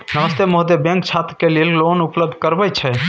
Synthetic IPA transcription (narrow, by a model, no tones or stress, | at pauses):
nəməst̪emoɦd̪ebɛ̃ŋk̚t͡ʃʰat̪ɾkelillonupləb̚d̪ʱkəɾbəjt͡ʃʰɛ